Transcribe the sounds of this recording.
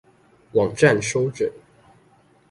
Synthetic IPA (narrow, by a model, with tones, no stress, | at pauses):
wɑ˨˩ŋʈ͡ʂa˥˨nʂo˥ʊʈ͡ʂə˨˩˦n